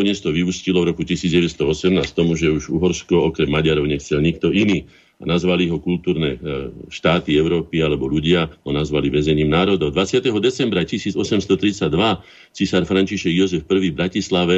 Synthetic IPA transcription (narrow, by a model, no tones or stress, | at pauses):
ɔɲɛst̪ɔʋiuscilɔʋɾɔkucisiːd͡zɟɛʋɛst̪ɔɔsɛmnaːst̪ɔmuʒɛuʒuɦɔɾskɔɔkɾɛmːaɟaɾɔʊɲɛxt͡sɛlɲik̚t̪ɔiniː | a̰nazʋaliɦɔkult̪uːɾnɛ̰ːʃt̪aːt̪iɛʊɾɔːpialɛbɔʎuɟɪaɦɔnazʋaliʋɛzɛɲiːmnaːɾɔd̪ɔʊd̪ʋat͡sɪat̪ɛɦɔd̪ɛt͡sɛmbɾacisiːd͡zɔsɛmst̪ɔt̪ɾit͡saɟd̪ʋa | t͡sisaɾfɾaɲt͡ʃiʃɛɡjɔzɛfpr̩ʋiːvbɾacislaʋɛ